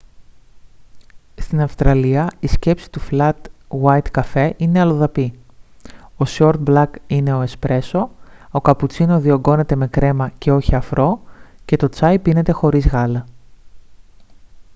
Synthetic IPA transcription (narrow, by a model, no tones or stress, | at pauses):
st̪inɐfst̪ɾɐliɐisce̞psi̥t̪uflɐt̪wɐjt̪kɐfe̞ʔine̞ɐlo̞ðɐpi | o̞soɾt̪̚blɐkine̞o̞e̞spɾe̞so̞okɐput͡sinoðio̞ɡo̞ne̞t̪e̞me̞kɾe̞mɐce̞o̞çiɐfɾo̞ce̞t̪o̞t͡sɐjpine̞t̪e̞xo̞ɾizɣɐlɐ